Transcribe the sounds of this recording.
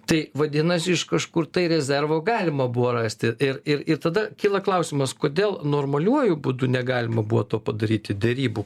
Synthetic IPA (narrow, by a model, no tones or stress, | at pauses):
t̪ɐɪʋɐd̪ʲinɐsʲɪʃkɐʃkʊrt̪ɐɪɾʲɛzʲɛrʋoːɡɑːlʲɪmɐbuʋoːrɑːsʲt̪ʲɪɪɾɪɾɪrt̪ɐd̪ɐkʲiːlˠɐklˠɐʊsʲɪmɐskoːd̪ʲeːlˠnoːrmɐlʲuɔjʊbud̪unʲɛɡɑːlʲɪmɐbuʋot̪oːpɐd̪ɐɾʲiːt̪ʲɪd̪ʲɛɾʲiːbu